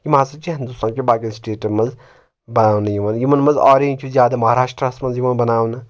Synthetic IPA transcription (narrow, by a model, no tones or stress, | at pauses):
jimaːsɐt͡ʃiɦɐnd̪usãːkʲibaːkilsʈeːʈɐmɐz | bɐnaːwnɐjimɐnjimɐnmɐzɔːɾeɲʲt͡ʃʰuzjaːd̪ɐmɐɦaːɾaːʂʈɾɐsmɐnzjimɐnbɐnaːwnɐ